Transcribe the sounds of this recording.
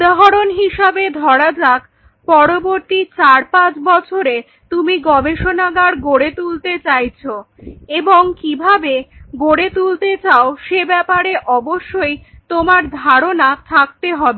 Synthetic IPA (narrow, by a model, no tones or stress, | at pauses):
ud̪aɦaɾonɦiʃabed̪ʱɔɽad͡ʑak | pɔɾoboɾt̪it͡ɕaɾpãt͡ɕbɔt͡ɕʰoɾe | t̪umiɡɔbeʃonaɡaɾɡoɽet̪ult̪et͡ɕajt͡ɕʰo | eboŋkibʱabeɡoɽet̪ult̪et͡ɕaoʃebɛpaɾeʔɔboʃːojt̪omaɾd̪ʱaɾonat̪ʰak̚t̪eɦɔbe